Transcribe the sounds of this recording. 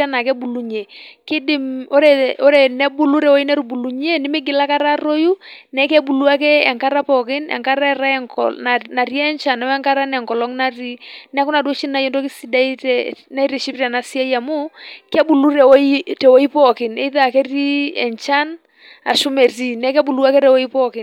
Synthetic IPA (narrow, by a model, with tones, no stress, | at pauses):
a˦na˨kɛ˦bu˨lu˦ɲe˨kɪ˦dɪ˦mo˦ɾɛ˨o˦ɾɛ˨nɛ˦bu˦lu˦ɾɛ˨wɔ˦i˦nɛ˦ɾu˨bu˨lu˨ɲe˦nɪ˦mɪ˦ɡɪ˨la˦ka˦ɾa˦ɾo˦ju˦nɛ˨˦kɛ˦bu˨lu˦a˦kɛ˦ɛ˨ŋka˦ɾa˦pɔ˨kɪ˦nɛ̰˨ŋka˦ɾa˦ɛ˨ɾa˦ɛ˦ŋkɔ̰ana˨ɾi˦ɛ˦nt͡ʃa˨nɛ˨˦ɛ˦ŋka˦ɾa˦nɛ˨ŋkɔ˨lɔ˦ŋna˦ri˦nɛ˦ku˦na˨dwɔ˦t͡ʃi˦na˨jɔ˦ndo˦kɪ˦si˦da˦i˦tɛna˦i˦ɾɛ˨ʃi˦pɾa˨na˨si˦a˦i˦a˨mʊ˦kɛ˦bu˨lu˦ɾɛ˨˦i˦tɛ˨wo˦i˦pɔ˨kɪ˨nɛ̰˨i˦ða˨kɛ˦ri˦ɛ̰˨nt͡ʃa˦n | a̰˨ʃʊ˦mɛ˨ri˦˨nɛ˨˦kɛ˦bu˨lu˦a˦kɛ˦ɾɛ˨wo˦i˦pɔ˦kɪ˨n